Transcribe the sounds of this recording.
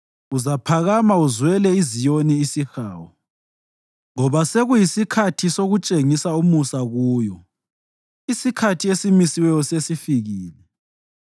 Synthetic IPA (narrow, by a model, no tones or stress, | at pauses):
uzapʰaɣamauzwɛlɛizijoniːsixa̰ːwɔ | ŋɔβaseɣujisikʰatʰisoɣut͡ʃʼeŋisaumusaɣuːjɔ | isikʰatʰiesimisiwɛjɔsesifiɣiːlɛ